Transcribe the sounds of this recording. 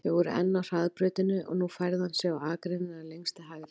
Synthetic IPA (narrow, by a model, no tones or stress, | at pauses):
θɛɣvɔɾʏ̰ʔɛ̰nːawr̥aðpɾœːt̪ɪnʏɔ̰ɣnufajɾðɪhansjɛɣawaːkɾenɪnalejŋst̪aɦaːɣɪɾ